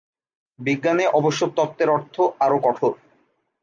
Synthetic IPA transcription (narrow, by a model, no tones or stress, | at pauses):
biɡːaneʔɔboʃːot̪ɔt̪ːeɾɔɾt̪ʰoʔaɾokɔʈʰo